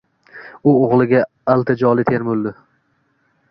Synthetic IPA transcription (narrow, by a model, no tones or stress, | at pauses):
ʊoʁlˠɪɡʲa | alˠt̪ʰad͡ʒɒlˠɪt̪ʰeɾmʊld̪ɪ